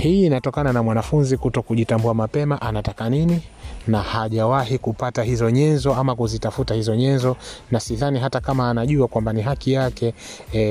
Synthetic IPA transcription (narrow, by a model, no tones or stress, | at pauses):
hiːnatɔkananamwanafunzikutɔkuʄitambuamapɛmaʔanatakanininahaʄawahikupataɦizɔɲɛnzɔamakuzitafutahizɔɲɛnzɔnasiðaniɦatakamaːnaʄuakwambaniɦakijakɛ